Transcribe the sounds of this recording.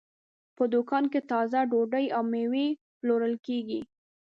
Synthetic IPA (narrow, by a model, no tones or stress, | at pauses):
pəd̪ʊkɑnket̪ɑzaɖoɖəjawmewe | ploɾəlkeɡi